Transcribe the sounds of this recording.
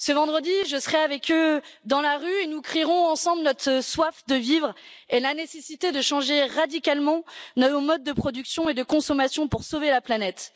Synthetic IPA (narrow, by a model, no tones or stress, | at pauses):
səvɑ̃d̪ʁəd̪iʒəsəχɛavɛkød̪ɑ̃laʁyenukχiʁɔ̃ɑ̃sɑ̃blnɔt̪χəswafd̪əvivʁelanesesit̪ed̪əʃɑ̃ʒeʁad̪ikalmɑ̃nomɔd̪̚ːəpχɔd̪yksjɔ̃ed̪əkɔ̃sɔmasjɔ̃puʁsovelaplanɛt̪